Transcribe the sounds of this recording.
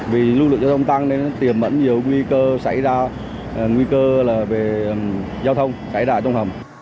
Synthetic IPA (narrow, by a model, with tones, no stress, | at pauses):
vi˨˩lu˧lɨ˨ŋzaː˧t̪ʰwŋ͡mt̪a˧ŋne˧n˨˦t̪i˨˩əmɓə̰˧˥nɲi˨˩əwŋwi˧kəː˧sa̰˧˩jzaː˧˨˩ | ŋwi˧kəː˧laː˨˩ve˨˩ə˨˩m | zaː˧wt̪ʰə˧wŋ͡msa˧˩jzaː˧˩t͡ɕɔ˧wŋ͡mhə˨˩m